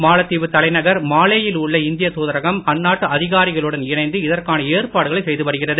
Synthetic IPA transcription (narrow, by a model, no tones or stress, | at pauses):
maːlɐt̪ːiːʋɯt̪ːɐlɐɪnɐɣɐɾmaːleːjɪlʊɭːɐɪnd̪ɪjɐt̪uːðɐɾɐɣɐmɐnːaːʈːɯɐðɪɣaːɾɪɣɐɭɯɽɐnɪɳɐɪnd̪ɯɪðɐrkaːnɐeːrpaːɽɯɣɐɭɐɪsɛjðɯpɐɾɯɣɪrɐðɯ